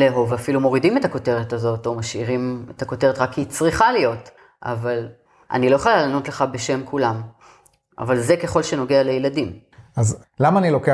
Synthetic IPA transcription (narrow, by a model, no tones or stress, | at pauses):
leɦovafilumo̞ʁidime̞tako̞te̞ʁetazo̞to̞maʃiʁimetako̞te̞ʁetʁakːiːt͡sʁiχalijo̞t | ʔa̰val | ʔa̰nilo̞jeχolaːnotle̞χabe̞ʃe̞mkulam | ʔa̰valze̞ke̞χo̞lʃe̞no̞ɡe̞ale̞jeladimaz | lamaːnilo̞ke